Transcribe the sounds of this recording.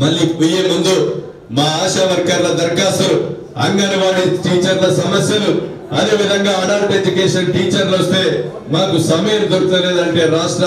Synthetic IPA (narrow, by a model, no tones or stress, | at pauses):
mɐlːiːpijemund̪u | maːaːʃɐʋɐɾɡaːɾlɐd̪ɐɾɡaːsɐu | ɐŋɡɐniʋaːɽiʈiːt͡ʃɐɾlɐsɐmɐsjɐlu | ɐd̪e̞ːʋid̪ʱɐŋɡaːɐnaːɾʈed͡ʒukɛːʂɐnʈiːt͡ʃɐɾlɐst̪e̞ː | naːkusɐmɐjɐnid̪oɾut̪uleːd̪ɐɳʈe̞ːɾaːʂʈɾɐ